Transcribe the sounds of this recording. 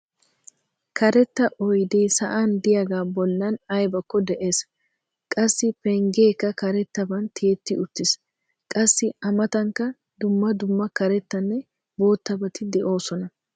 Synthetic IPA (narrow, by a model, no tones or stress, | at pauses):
kʰɐɾɛt̪ːɐʔɔjd̪eːsɐʔand̪ɪjɐɡaːbɔlːɐnɐjbɐkːɔd̪ɛʔe̞ːs | kʼɐsːɪpɛŋɡeːkːɐkɐɾɛt̪ːɐbɐnt̪ʰeːt̪ːɪʊt̪ːɪs | kʼɐsːɪɐmɐt̪ɐŋkːɐ | d̪ʊmːɐd̪ʊmːɐkɐɾɛt̪ːɐnːɛ | bo̞ːt̪ːɐbɐt̪ɪd̪ɛʔo̞ːsɔnɐ